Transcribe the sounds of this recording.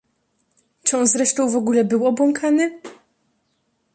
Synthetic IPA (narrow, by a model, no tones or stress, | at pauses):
t͡ʂɘɔnzɾɛʂt̪ɔ̃w̃vɔɡulɛbɘwɔbwɔŋkʰanɘ